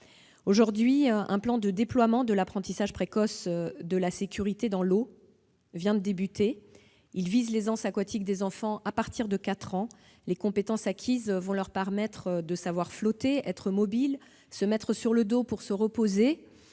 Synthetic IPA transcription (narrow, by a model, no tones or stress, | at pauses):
oʒuʁd̪ɥiʔɛ̰̃plɑ̃d̪əd̪eplwamɑ̃d̪əlapχɑ̃t̪isaʒpχekɔsd̪əlasekʲyʁit̪ed̪ɑ̃lo | vjɛ̃d̪əd̪ebyt̪ʰe | ilvizlezɑ̃sakwat̪ʰik̚d̪ezɑ̃fɑ̃ʔapaʁt̪ʰiʁd̪əkat̪χɑ̃ | lekɔ̃pet̪ɑ̃sakʲʰizvɔ̃lœʁpɛʁmɛt̪χd̪əsavwaʁflɔt̪eɛt̪χəmɔbil | səmɛt̪χəsyʁləd̪opuʁsəʁəpoze